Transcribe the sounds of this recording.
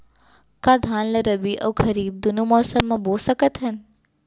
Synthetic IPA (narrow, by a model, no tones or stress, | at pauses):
kaːd̪ʱaːnlɐɾɐbiʔə̰wkʰɐɾiːb̚d̪ʊnumɔːsəmːãboːsəkət̪ɦɐn